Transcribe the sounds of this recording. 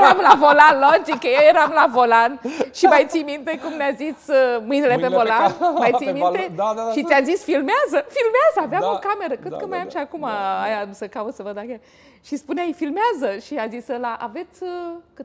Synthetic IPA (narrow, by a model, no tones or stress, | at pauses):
ɾamlavolanlont̪ikəjejeɾamlavo̞lanʃimajt̪sijmint̪e̞kumneazisəmɨjnilepevolanmajtsijmint̪eʃit̪ʲazisfilmeazəfilmeazəaveamokame̞ɾəkɾet̪kəmajamʃiakumaajasəkaut̪səvəd̪aka | ʃispuneajfilmeazəʃiazisəlaʔave̞t̪sʲkɨ